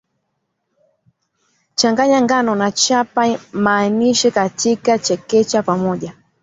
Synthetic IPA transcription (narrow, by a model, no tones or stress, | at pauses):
t͡ʃaŋɡaɲaŋɡanɔnat͡ʃapamaːniʃɛkatʰikat͡ʃɛkɛt͡ʃapamɔʄa